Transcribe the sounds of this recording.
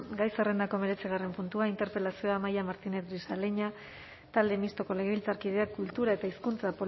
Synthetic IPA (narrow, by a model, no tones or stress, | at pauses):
ɡajsere̞nd̪ako̞me̞ɾe̞t͡siɣ̞are̞mpunt̪uaint̪e̞ɾpe̞lasio̞amajamaɾt̪ine̞zdisaleɲa | t̪ald̪emist̪o̞ko̞le̞ɣeβilt͡saɾkið̞e̞akult̪uɾae̞t̪aiskunt͡sapo̞